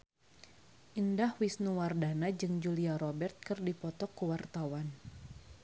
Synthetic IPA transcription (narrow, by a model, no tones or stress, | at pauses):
ʔindahwisnuwardanad͡ʒɨŋd͡ʒuliaɾɔbɛrt̪̚kɨrdipɔt̪ɔkːuwart̪awan